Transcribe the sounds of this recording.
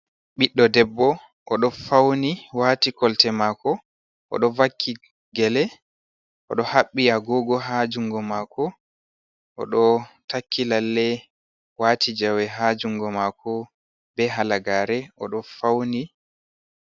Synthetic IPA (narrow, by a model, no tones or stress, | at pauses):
ɓiɗːɔdɛbːɔ | ʔɔɗɔfawniwaːtikɔltɛmaːkɔ | ʔɔ̰ɗɔvakʰːi | ɡɛlɛ | ʔɔ̰ɗɔhaɓːiaɡɔɡɔɦad͡ʒuŋɡɔmakʰɔ | ʔɔ̰ɗɔtʰakʰːilalːɛ | waːtid͡ʒawɛɦad͡ʒuŋɡɔmaːkɔ | bɛɦalaɡaːɾɛʔɔ̰ɗɔfawni